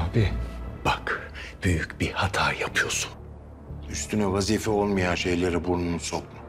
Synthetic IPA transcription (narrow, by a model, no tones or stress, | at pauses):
abib̥akb̥yjycbihat̪ʰaɾjapʰɯjo̞su̥n | yst̪ʰynɛvaziːfɛo̞lˠmajanʃe̞jlʲeɾibuɾnunsokmu